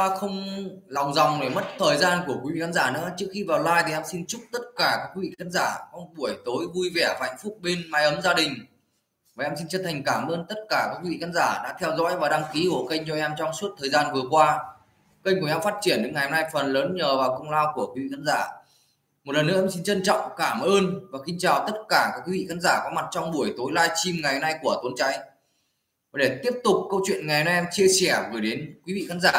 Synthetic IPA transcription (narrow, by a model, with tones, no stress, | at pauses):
a˧xə˧wŋ͡mlɔ˨˩wŋ͡mzɔ˨˩wŋ͡mne˨˩mə˦˥t̚t̪ʰəː˨˩jzaː˧nku˧˩əkwi˨˦vḭ˧˨a˨˧˦nzaː˧˩nɨ̰˧˥ət͡ɕɨ˦˥k̚xi˧vaː˨˩wlaː˧jt̪ʰi˨˩ʔɛ˧msi˧nt͡ɕʊ˦˥k͡p̚t̪ə˦˥t̚kaː˧˩kaː˦˥k̚wi˧˦vḭ˧˨˧kʰaː˧˥nzaː˧˩ʔɔ˧ŋ͡mɓu˧˩əjt̪o˨˦jvu˧jvɛ˧˩vaː˨a˧˩ŋ̟fʊ˦˥k͡p̚ɓe˧nmaː˧jʔə˨˦mzaː˧ɗï˨˩ŋ̟ | vaː˨˩ʔɛ˧msi˧nt͡ɕə˦˥t̚t̪ʰa˨˩ŋ̟kaː˧˩mʔəː˧nt̪ə˦˥t̚kaː˧˩kaː˦˥k̚wi˧vḭ˧˩kʰaː˨˧nzaː˧˩ɗa̰ː˧˥t̪ʰɛ˧wzɔ̰˧˥jvaː˨˩ɗa˧ŋki˨˦ko̰˧˩kə˧jŋ̟t͡ɕɔ˧ʔɛ˧mt͡ɕɔ˧wŋ͡msu˦˥ət̚t̪ʰəː˨˩jzaː˧nvɨ˨˩əkwaː˧ | kə˧jŋ̟u˨˩jɛ˧wfaː˦˥t̚t͡ɕi˧˩ənɗe˨˦ŋa˨˩jhmna˧jfə˨˩nləː˨˦nɲəː˨˩vaː˨˩wkə˧wŋ͡mlaː˧wku˧˩əkwi˨˦vḭ˧˨xʰaː˨˦nzaː˧˩ | mo˨˩t̚ləː˨˩nɨ̰˧˥˧msi˧nt͡ɕə˧nt͡ɕɔ̰˧˨wŋ͡mkaː˧˩mʔəː˧nvaː˨˩xï˧ŋ̟t͡ɕaː˨˩wt̪ə˦˥t̚kaː˧˩kaː˦˥kwi˨˦vḭ˧˨xaː˨˦˥nzaː˧˩kɔ˨˦ma˨˩t̚t͡ɕɔ˧wŋ͡mɓu˧˩əjt̪o˨˦jlaː˧jt͡ɕi˧mŋa˨˩jhmna˧jku˧˩ət̪o˨˧˦nt͡ɕa˨˦j | ɗe˧˩t̪i˦˥əp̚t̪ʊ˨˩k͡p̚kə˧wt͡ɕwḭ˧˨ənŋa˨˩jhmn˧ʔɛ˧mt͡ɕi˧əsɛ˧˩vəː˨˩jɗe˨˦nkwi˨˦vḭ˧˨xaː˨˦˥nzaː˧˩